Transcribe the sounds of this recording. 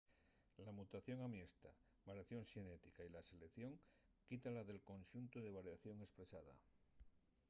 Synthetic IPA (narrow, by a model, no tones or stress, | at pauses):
lamut̪aθjo̞ŋamje̞st̪a | βaɾjaθjo̞ŋʃenet̪ikailaselekθjo̞ŋ | kit̪alaðe̞lko̞nʲʃunt̪oðe̞β̞aɾjaθjo̞ŋe̞spɾe̞saða̰